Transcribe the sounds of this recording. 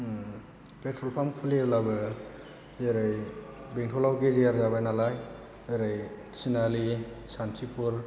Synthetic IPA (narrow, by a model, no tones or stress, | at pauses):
petʰɾɔlpʰamkʰuliblabɯ | aɾajbeŋtʰɔlawɡezijaɾzabajnalaj | eɾajtsinalisantʰipʰuɾ